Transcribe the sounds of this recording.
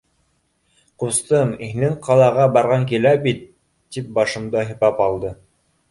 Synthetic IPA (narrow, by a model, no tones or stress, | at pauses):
qust̪ɤmihnɘŋqʰɑlˠɑʁɑbɑɾʁɑŋkilæbit̪ː | ip̚bɑʃɤ̆md̪ɑɦɤ̆pɑpɑlˠd̪ɤ